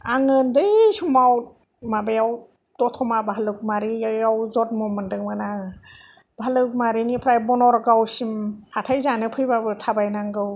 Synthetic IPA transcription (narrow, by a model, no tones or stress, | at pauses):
aŋɯndɯjsumaw | mabajaw | d̥ɔtʰɔmabahlɯk̚maɾijawzɔt̚mɔmɯndɯŋmɯna | b̥aalɯk̚maɾinipʰɾajbɔnɔɾɡawsimhatʰajzanɯpʰɯjbabɯtʰabajnaŋɡɯw